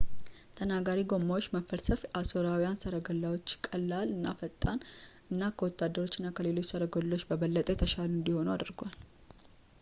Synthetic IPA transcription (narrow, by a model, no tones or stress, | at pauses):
t̪ʰənaɡaɾiɡo̞mːawot͡ʃːməfːəɾsəfasoɾawijansəɾəɡəlːawo̞t͡ʃːkʼəlːalɨnːafət̪ʼːanʔɨnːakʰəwɔt̪ːad̪ːəɾo̞t͡ʃːɪnːakʰəle̞lo̞t͡ʃːsəɾəɡollːo̞t͡ʃːbəβəlːət̪ʼet̪ʰəʃaluɨnd̪iho̞nuad̪ɨɾɡal